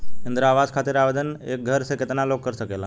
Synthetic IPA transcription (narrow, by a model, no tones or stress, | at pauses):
ɪnd̪ɾəaʋad͡zkʰat̪iɾaʋəd̪ənḛk̚ɡʱəɾsəkːət̪nalokːəɾsəkela